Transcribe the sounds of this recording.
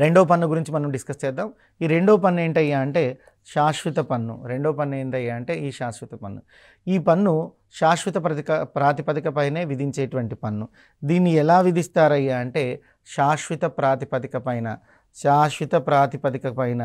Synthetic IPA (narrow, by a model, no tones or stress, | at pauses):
ɾe̞ɳɖoːpɐnːuɡuɾiɲt͡ʃimɐnɐmɖiskɐst͡ʃɛːd̪ːaːm | iːɾe̞ɳɖoːpɐnːe̞ːɳʈɐjːaːɐɳʈe̞ː | ʃaːʃʋit̪ɐpɐnːṵɾe̞ɳɖoːpɐnːeːɳʈɐjːaːɐɳʈe̞ːiːʃaːʃʋit̪ɐpɐnːu | iːpɐnːu | ʃaːʃʋit̪ɐpɐt̪kɐpɾaːt̪ipɐt̪ikɐpɐjne̞ːʋid̪ʱiɲt͡ʃeːʈuʋɐɳʈipɐnːu | d̪iːnːiɛlaːʋid̪ʱist̪aːɾɐjaːɐɳʈe̞ː | ʃaːʃʋit̪ɐpɾaːt̪ipɐt̪ikɐpɐjnɐ̰ | ʃaːʃʋit̪ɐpɾaːt̪ipɐt̪̬ikɐpɐjnɐ